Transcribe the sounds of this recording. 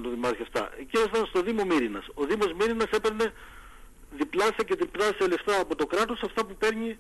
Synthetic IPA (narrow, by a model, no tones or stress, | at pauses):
t̪oðimɐsçɐft̪ɐ̰ʔeciost̪ɐnst̪o̞ðimo̞miɾinɐso̞ðimo̞zmiɾinɐse̞pe̞ɾne̞ | ðiplɐsiɐce̞ðiplɐsiɐle̞ft̪ɐːpo̞t̪o̞kɾɐt̪o̞sɐft̪ɐpupe̞ɾɲi